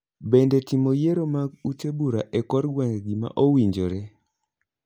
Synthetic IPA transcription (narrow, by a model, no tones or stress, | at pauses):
bendɛtimojeɾomaɡ̚utebuɾaʔekɔɾɡwɛŋɡɡima̰ʔowiɲd͡ʒoɾɛ